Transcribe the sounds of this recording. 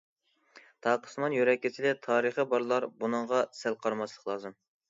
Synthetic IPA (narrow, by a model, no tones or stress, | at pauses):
t̪ʰɑːqʰə̥smɑnjøɾɛkʲːit͡ʃ̪ʰɪd̪ɛt̪ʰɑːɾəχəbɑɾlˠɑɾbunɨŋʁɑsælqʰɑɾmɑʃlˠəqlˠɑːzɨm